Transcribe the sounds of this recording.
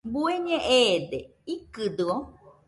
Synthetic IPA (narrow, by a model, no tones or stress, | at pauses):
bueɲẽʔed̪e | ikɨd̪ɨo